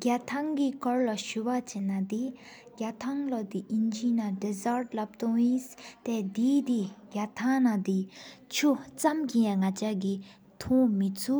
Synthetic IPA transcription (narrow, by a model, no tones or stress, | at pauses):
ɡat̪ʰaŋkikɔɹlaɕuwat͡ɕenːad̪i | ɡat̪ʰaŋlod̪iʔint͡ɕinadizaɹt̚lap̚t̪uŋjist̪ɛːd̪iːt̪iɡat̪ʰaŋnad̪it͡ɕʰut͡samkiŋat͡ɕaɡi | t̪ʰuŋmit͡sʰuʔ